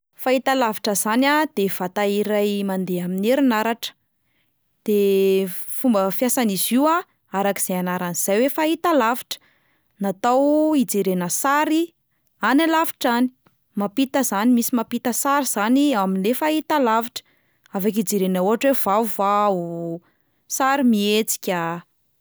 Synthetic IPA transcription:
fait̪alaviʈ͡ʂəzanad̪ev̥at̪aiɾajmand̪eamineɾinaɾaʈ͡ʂə̥ | d̪̥e | fumbəfjasaniziwa | aɾaki̥z̥eanaɾaniz̥ajwefait̪alavi̥ʈ͡ʂə̥ | nat̪awid͡zeɾenəsaɾi | analavi̥ʈ͡ʂani̥ | mapit̪əzanimisimapit̪əsaɾiz̥aniaminlefait̪alaviʈ͡ʂə̥ | avak̬id͡zeɾenauɦaʈ͡ʂwevauvau | saɾimiet͡si̥kʲa

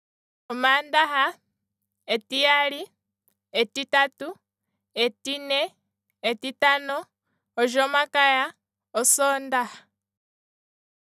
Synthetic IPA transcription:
omaːndaɦa | etijali | etitatu | etineː | titanoː | ʒoːmakaja | osoːndaha

